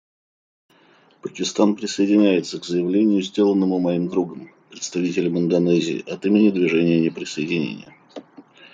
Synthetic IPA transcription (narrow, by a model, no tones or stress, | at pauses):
pəkʲɪst̪anpɾʲɪsəɪdʲɪnʲæjɪt̪səkzəjɪvlʲenʲɪjʊzʲdʲe̞lˠənːəmʊmɐimd̪ɾuɡəm | pɾʲɪt̪st̪ɐvʲitʲɪlʲəmɨnd̪ɐnɛzʲɪ̰ːʔɐt̪imʲɪnʲɪd̪vʲɪʐɛnʲɪjənʲɪpɾʲɪsəjɪdʲɪnʲḛnʲɪ̰jə